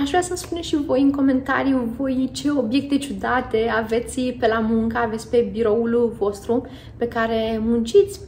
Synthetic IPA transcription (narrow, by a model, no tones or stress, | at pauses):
aʒvɾasəmspuneʃivo̞jɨŋko̞me̞nt̪a̰ɾijuvo̞jt͡ʃe̞o̞bje̞k̚t̪et͡ʃud̪at̪e̞ave̞t̪sʲpe̞lamuŋkaave̞t̪sʲpe̞biɾo̞ulvo̞st̪ɾu | pe̞kaɾe̞munt͡ʃit̪sʲ